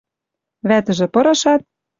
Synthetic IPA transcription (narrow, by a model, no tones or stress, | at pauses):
βæt̪ə̆ʒĕpɤ̆ɾɤ̆ʃɑt̪̚